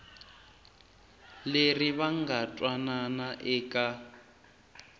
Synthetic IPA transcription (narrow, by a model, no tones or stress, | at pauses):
leriβaŋɡatʼwananaʔɛːkʼa